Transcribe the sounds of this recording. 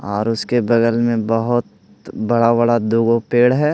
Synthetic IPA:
ɔːɾʊskebɐɡəlmẽbɐɦʊt̪̚ | bɐɽabəɽad̪uːɡopeːɽɦɛː

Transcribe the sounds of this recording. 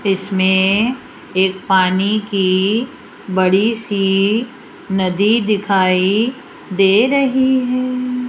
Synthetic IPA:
ɪsmẽ | eːk̚paːniki | bɐɽisi | nɐd̪id̪ɪkʰaːi | d̪eːɾɐɦiɦɛː

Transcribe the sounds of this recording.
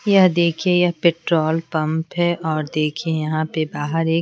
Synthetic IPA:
jɐɦd̪eːkʰiejɐɦpeːʈɾoːlpɐ̃mpɦɛʔɔːɾd̪eːkʰiejɐɦãpebaːɦəɾeːk

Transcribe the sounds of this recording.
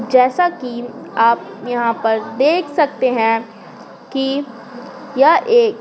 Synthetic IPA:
d͡ʒɛːsakiaːpjɐɦãpɐɾd̪eːkʰsɐk̚t̪eɦɛ̃ | ki | jaʔeːk

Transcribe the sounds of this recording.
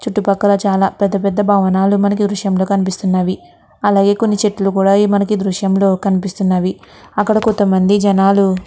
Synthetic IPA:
t͡ʃuʈːupɐkːɐɾɐt͡ʃaːlaːpɛd̪ːɐpɛd̪ːɐbʱaːʋɐnaːlumɐnɐk̬id̪ɾuʂjɐmlo̞ːkɐnipist̪unːaːʋi | ɐlaːɡe̞ːko̞nːit͡ʃeʈːulukuːɽaːimɐnɐkid̪ɾuʂjɐmlo̞ːkɐnipist̪unːaːʋi | ɐkːɐɽɐkont̪ːɐmɐnd̪id͡ʒɐnaːlu

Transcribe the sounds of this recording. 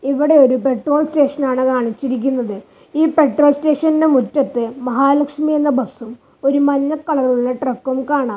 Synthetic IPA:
iʋiɽe̞o̞ɾupe̞ʈro̞ːlste̞ːʂɐnaːɳɨkaːɳit͡ɕːiɾik̬ʲːunːɐðɨ | iːpe̞ʈro̞ːlste̞ːʂɐninde̞mutːɐt̪ːɨmɐɦaːlɐkʂmije̞nːɐbɐsːum | o̞ɾumɐnːɐkːɐɭɐɾuɭːɐʈrɐkːumkaːɳaː

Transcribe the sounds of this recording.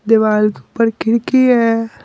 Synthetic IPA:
d̪eʋaːlkiupəɾkɪɽkiɦɛː

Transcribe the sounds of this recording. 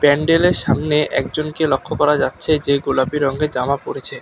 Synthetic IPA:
pɛɳɖeleɾʃamneʔɛ̰k̚d͡ʑonkelokʰːokɔɾad͡ʑatːɕʰed͡ʑeɡolabiɾɔŋɡed͡ʑamapoɾet͡ɕʰe

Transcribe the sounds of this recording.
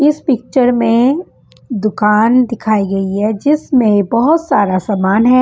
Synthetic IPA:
ɪspɪk̚t͡ʃəɾmẽ | d̪ʊkaːnd̪ɪkʰaːiɡɐiɦɛd͡ʒɪsmẽbɐɦʊt̪saːɾasaːmaːnɦɛː

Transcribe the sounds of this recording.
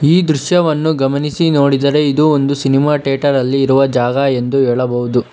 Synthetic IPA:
iːd̪ɾuʃjɐʋɐnːuɡɐmɐnisino̞ːɽid̪ɐɾe̞id̪uond̪usinimaːʈeːʈɐɾɐlːiːɾuʋɐd͡ʒaːɡɐe̞nd̪uɦeːɭɐbɐɦud̪u

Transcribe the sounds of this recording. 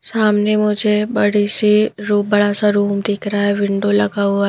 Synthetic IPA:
saːmnemʊd͡ʒʱebɐɽisiɾuːbɐɽasaɾuːmd̪ekʰɾaɦɛʋɪ̃ɳɖolɐɡaːua

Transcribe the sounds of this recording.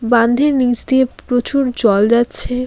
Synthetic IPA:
bãnd̪ʱeɾnid͡ʑd̪iepɾot͡ɕuɾd͡ʑɔld͡ʑatːɕʰe

